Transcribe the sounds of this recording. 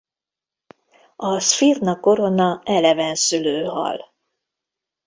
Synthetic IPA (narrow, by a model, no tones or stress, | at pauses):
ɒsfirnɒko̞ɾo̞nɒɛlɛvɛnsyløːɦɒ̰l